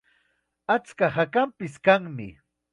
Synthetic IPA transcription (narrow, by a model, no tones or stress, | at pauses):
at͡skahakampɪskaŋmɪ̰